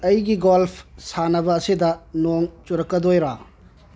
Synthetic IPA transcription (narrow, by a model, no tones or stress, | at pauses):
ɐjɡiɡolpʰsanɐbɐːsidɐnoŋt͡ʃuɾɐkːɐdojɾa